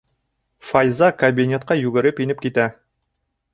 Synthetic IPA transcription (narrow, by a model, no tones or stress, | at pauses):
fɐjzɑkɐbʲinʲet̪̚qɑjʉɡɘ̆ɾɘpinɘp̚kit̪æ